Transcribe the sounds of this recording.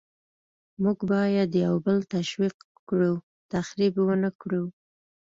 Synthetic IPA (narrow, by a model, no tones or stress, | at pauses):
muɡbɑjad̪jawbəlt̪aʃwiq | kɽuw | t̪axɾibwənəkɽuw